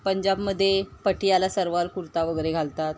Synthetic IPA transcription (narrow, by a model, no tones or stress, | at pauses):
pəɲd͡ʑabməd̪ʱːjepəʈijalasəɾʋalkuɾt̪aʋəɡəɾeɡʱalt̪at̪